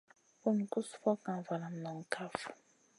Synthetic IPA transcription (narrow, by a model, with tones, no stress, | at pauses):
ku˦ni˨ku˦su̥˦fɔ˦ka˨va˨la˨m̩˨nɔ˨ŋ̩˨kʰa˦fu̥˨